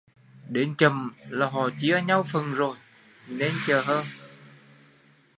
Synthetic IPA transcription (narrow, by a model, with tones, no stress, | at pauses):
ɗe˨˦nt͡ɕə˨˩mlaː˨˩ɦɔ˨˩t͡ɕi˧˦ə˧ɲa˧wfə˨˩nzo˨˩j | ne˧nt͡ɕəː˨˩ɦəː˧n